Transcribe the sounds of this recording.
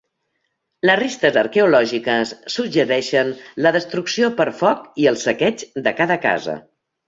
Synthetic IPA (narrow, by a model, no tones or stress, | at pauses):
ləzrist̪əzəɾkɛulɔʒikəsːud͡ʒəɾɛʃənləðəst̪ɾuksiopəɾfɔkiəlˠsəkɛt͡ʃd̪əkaðəka̰zə̰